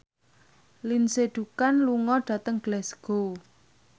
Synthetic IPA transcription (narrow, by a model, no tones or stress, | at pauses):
linseɖ̥ukanluŋɔɖ̥a̤t̪əŋɡ̥lɛsɡ̥o